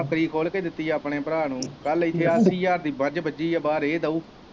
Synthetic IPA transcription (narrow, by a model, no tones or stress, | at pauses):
əkːɾiːkʰoːlkeːd̪ɪt̪ːiːəpɳeːpəɾaːnũːkəlɪt̪ʰːeːasiːjaːɾd̪iːbəd͡ʒbəd͡ʒiːjaːbaːɾeːd̪əuː